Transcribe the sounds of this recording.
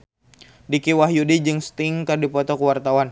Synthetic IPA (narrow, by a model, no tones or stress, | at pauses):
dikiwaɦjudid͡ʒɨŋst̪ɪŋkərdipɔt̪ɔkəwart̪awan